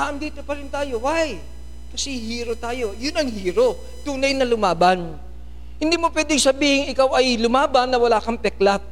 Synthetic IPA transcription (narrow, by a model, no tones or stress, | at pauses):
aʔɐmd̪iːt̪o̞pɐɾɪnt̪aːjo̞waj | kɐsɛhiːɾo̞t̪aːjo̞jʊnɐŋhiːɾo̞ | t̪uːnɐjnɐlʊmaːban | hɪ̃nd̪iːmo̞pwɛːd̪ɪŋsɐbiːhɪŋɪkawɐjlʊmaːbɐnːɐwɐlaːkɐŋpɛklat̪̚